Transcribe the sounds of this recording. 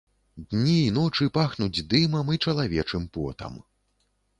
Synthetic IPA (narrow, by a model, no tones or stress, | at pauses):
d̪nʲiːnɔt͡ʂɨpaxnud͡zʲd̪imɐmit͡ʂɐlˠavʲɛt͡ʂɨmpɔ̰t̪ɐ̰m